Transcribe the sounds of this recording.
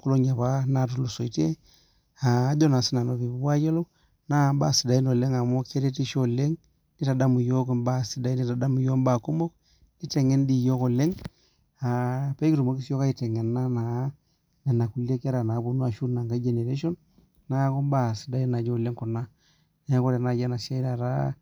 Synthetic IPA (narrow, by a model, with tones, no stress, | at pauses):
ku˦lo˦ɲa˨βa˦na˦˨t̬u˦˨lo˨so˨i˨te˦ | aː˨˦d͡ʒo˦na˨si˦na˨no˦βi˨bu˦wa˦d͡ʒe˦lo˦ | na˦˨ba˦˨si˨da˨i˦no˨le˦ŋa˨mo˦ke˦ɾe˦ti˦ʃo˦le˦ŋ | ni˦ta˨da˦mu˨jo˦k̬ɔ˦mba˦˨si˨da˨i˦ni˦ta˨da˦mu˨jo˦mba˨ku˦mo˦k̚ | di˦tɛ˨ŋɛ˦ndi˦jo˦ko˨le˦ŋ | a˨pɛ˦ki˦ɾu˨mo˦ki˦so˦ka˦i˨tɛ˨ŋɛ˨nːa˦na˨˦ | nɛ˨na˨ku˨le˦ka˦ɾa˨na˨˦bu˦nu˦a˨ʃu˦na˨ŋɡa˦d͡ʒe˨ne˨ɾe˦ʃɔ˦n | na˦ko˦mba˦˨si˨da˨i˦na˨d͡ʒo˦˨le˦ŋku˨na˦ | n˦ja˦ko˦ɾɛ˨na˨ja˦na˨ʃa˦i˦ɾa˨ɾa̰˦